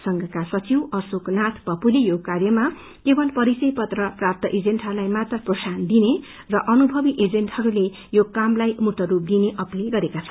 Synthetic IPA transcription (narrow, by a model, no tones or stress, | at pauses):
sʌŋɡʌkasʌt͡siwʌsoknat̪ʰpʌpulejokarjʌma | kebʌlpʌɾisʌjpʌt̪rʌprap̚t̪ʌʔed͡zenʈɦʌɾulajmat̪rʌprosand̪ine | rʌʔʌnubʱʌbiʔed͡zenʈhʌɾule | jokamlajmuʈʌɾup̚d̪ineʔʌpleɡʌɾekat͡sʰʌ̥n